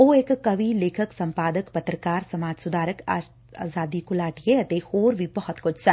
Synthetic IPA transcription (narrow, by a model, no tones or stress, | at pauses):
oːeːkːɐʋiːleːkʰəksɐ̃mpaːd̪əkpɐt̪ɾəkaːɾsɐmaːd͡ʒsʊd̪ʱaːɾəkaː | a̰ːzaːd̪iːkʊlaːʈijeɐt̪ehoːɾʋiːbɔɦɔt̪kʊt͡ʃʰsɐ